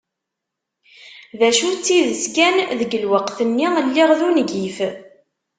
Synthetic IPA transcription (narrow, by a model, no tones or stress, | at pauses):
ðæʃut͡sːiðəskænðəɡəlwəqθənːiəlːɪʁðunɡif